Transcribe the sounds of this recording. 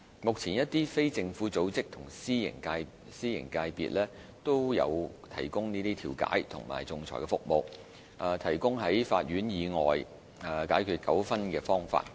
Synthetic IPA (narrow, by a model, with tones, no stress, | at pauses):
mʊ˨k̚t͡sʰiː˨˩njɐ˥t̚t̪iː˥fe˥jt͡sɪ˧ŋfuː˨˥t͡so˨˥wt͡sɪ˥k̚t̪ʰʊ˨˩ŋsiː˥jɪ̰˨˩ŋkaː˧ | siː˥jɪ̰˨˩ŋkaː˧jpḭː˨t̚lɛː˥t̪o˥wjɐ̰˨˧wt̪ʰɐ̰˨˩jkʊ˥ŋniː˥t̪iː˥t̪ʰiː˨˩wka̰ː˨˥jt̪ʰʊ̰˨˩ŋma̰ː˨˩jt͡sʊ˧ŋt͡sʰɔ̰˨˩kɛ˧fʊ˧k̚mo˧w | ʔɐ˨˧t̪ʰɐ˨˩jkʊ˥ŋɦɐ˨˥jfa̰ː˧t̚ɥyː˨˥njiː˨˧ŋɔː˨j | kaː˨˥jkʰyː˨t̚kɐ˨˥wfɐ˥nkɛː˧fɔː˥ŋfa̰ː˧t̚